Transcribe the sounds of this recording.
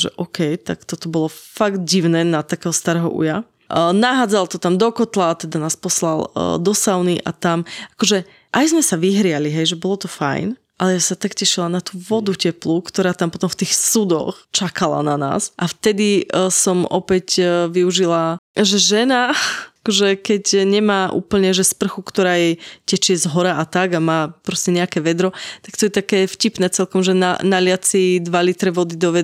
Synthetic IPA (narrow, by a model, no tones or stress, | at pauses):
ʒɛ̰ʔɔkʰɛjt̪akt̪ɔt̪ɔbɔlɔfaɡd̪̚ɟiʊnɛnat̪akɛːɦɔst̪aɾɛːɦɔ̰ʔṵja | naɦaːd͡zalˠt̪ɔt̪amd̪ɔkɔt̪lat̪ɛd̪anaːspɔslald̪ɔsaʊniʔa̰t̪amakɔʒɛ | ʔajzmɛsaʋiɦɾɪaliɦɛjʒɛbɔlɔt̪ɔfa̰jn | ʔalɛjasat̪akcɛʃilanat̪uːʋɔd̪ucɛplukt̪ɔɾaːt̪ampɔt̪ɔmft̪iːxsud̪ɔ̰xt͡ʃakala̰nana̰ːsʔaft̪ɛd̪isɔmɔ̰pɛcʋiuʒilaʒɛʒɛnakɔʒɛkɛcɲɛmaːʔṵːpl̩ɲɛʒɛspr̩xukt̪ɔɾaːjɛcɛt͡ʃɪɛzɦɔɾaʔat̪aɡamaːpɾɔscɛɲɛakɛʋɛd̪ɾɔt̪akt̪ɔjɛt̪akɛːfcipnɛːt͡sɛlkɔmʒɛna̰nalɪat͡sid̪ʋalit̪ɾɛʋɔd̪id̪ɔʋɛ